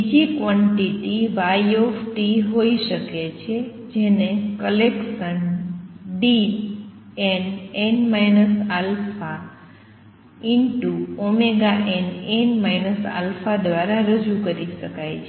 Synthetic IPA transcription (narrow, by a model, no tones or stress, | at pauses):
bid͡ʒikʋɔ̃ɳʈiʈiʋajofʈiɦoiʃəket͡ʃʰe | d͡ʒenekəlekʃən | ɖi | enenmajnəsalfa | inʈuomeɡaʔɛnenmajnəsa̰lfad̪ʋaɾaɾəd͡ʒukəɾiʃəkajt͡ʃʰe